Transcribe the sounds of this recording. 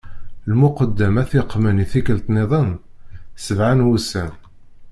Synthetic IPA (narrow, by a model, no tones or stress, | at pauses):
lmʊqəd̪ːəmæθɪqːməniθikəlt̪neðˤən | səvʕanwusæn